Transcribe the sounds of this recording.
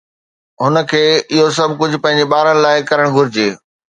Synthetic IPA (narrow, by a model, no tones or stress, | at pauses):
ɦʊnə̆kʰeːɪɦos̬ɐbʱkʊd͡ʑʱʊ̆pɐ̃ɦɪ̃ɲd͡ʑeɓaːɾənɪ̆laːɪkɐɾəɽ̃ɡʱʊɾɪd͡ʑeː